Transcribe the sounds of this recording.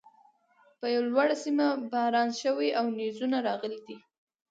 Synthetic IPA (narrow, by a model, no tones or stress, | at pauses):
pəjawalwaɽasimabahɾɑnʃəwiʔawnizunaɾɑɣəlid̪i